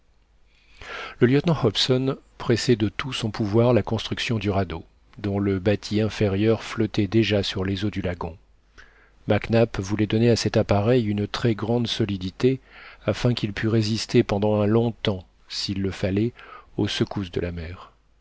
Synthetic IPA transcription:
ləljœt̪nɑ̃hɔpsɔn | pχɛsɛd̪ət̪ʰusɔ̃puvwaʁlakɔ̃st̪χyksjɔ̃d̪yʁad̪o | d̪ɔ̃ləbat̪ʰiɛ̃fɛʁjœʁflɔt̪ɛd̪eʒasyʁlezod̪ylaɡɔ̃ | maknapvulɛd̪ɔneasɛt̪apaʁɛjynt̪χɛɡʁɑ̃d̪sɔlid̪it̪eafɛ̃kʲilpʰyʁezist̪epɑ̃d̪ɑ̃ɛ̃lɔ̃t̪ɑ̃ | silːəfalɛosəkusd̪ə̰lamɛːʁ

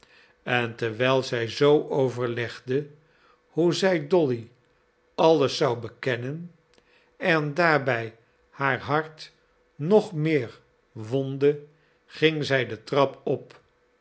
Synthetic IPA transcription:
ɛntəɹʋɛlˠzɛjzowʔowvəɹlɛχdə | huzɛjdɔli | ɑləsɑwbəkɛnən | ɛndaːɹbɛj | haːɹɦɑɹt | nɔχmɪːɹ | ʋɔndə | χɪŋzɛjdətrɑpɔp

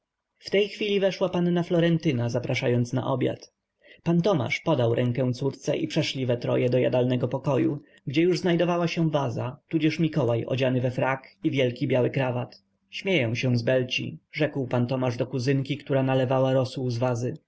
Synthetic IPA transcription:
ft̪ɛjxfʲilʲivɛʂwapanːaflɔɾɛnt̪ɘnazapɾaʂajɔnt̪sna̰ʔɔbʲja̰t̪ | pant̪ɔma̰ʂpɔd̪awɾʔɛŋkɛw̃t̪suɾt̪sɛʔipʂɛʂlʲivɛt̪ɾɔ̰jɛd̪ɔja̰d̪alnɛɡɔpɔkɔju | ɡd͡ʑɛjuʐznajd̪ɔvawaɕɛ̃vazat̪ud͡ʑɛʂmʲikɔwajʔɔ̰d͡ʑanɘvɛfɾakivʲjɛlkʲibʲjawɘkɾavat̪ | ɕmʲjɛjɛ̃w̃ɕɛ̃zbɛlt͡ɕḭʐɛkwpant̪ɔmaʐd̪ɔkuzɘŋkʲikt̪uɾanalɛvawaɾɔsuzvazɘ

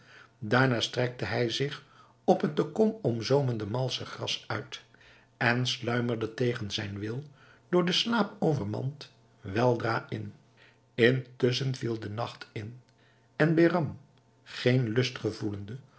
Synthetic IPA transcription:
daːɹnaːstrɛk̚təɦɛjzɪχ | ɔpɦət̚dokɔmɔmzowməndəmɑlˠsəχrɑsœɥt | ɛnslœɥməɹdətejχənzɛjnʋɪlˠ | d̥ʊːɹdəslaːpowvəɹmɑ̰nt | ʋɛlˠdraːʔɪn | ɪntɵs̬ənvilˠdənɑχtɪn | ɛnbeːrɑm | χejnlɵstχəvuləndə

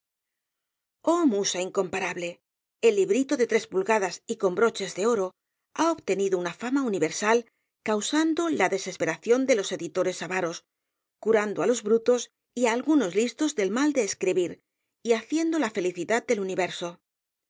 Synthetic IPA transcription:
o̞musaiŋko̞mpaɾaβle̞ | elːiβɾit̪o̞ðe̞t̪ɾe̞spulɣaðasiko̞mbɾo̞t͡ʃe̞zðe̞o̞ɾo̞ | aoβt̪e̞niðounafamauniβe̞ɾsal | kawsand̪o̞laðe̞se̞spe̞ɾaθjo̞nd̪elo̞se̞ðit̪o̞ɾe̞saβaɾo̞s | kuɾand̪oalo̞zβɾut̪o̞s | iaːlɣuno̞zlist̪o̞zðe̞lmald̪e̞ːskɾiβiɾ | iaθje̞nd̪o̞lafe̞liθiðat̪̚d̪e̞luniβe̞ɾso̞

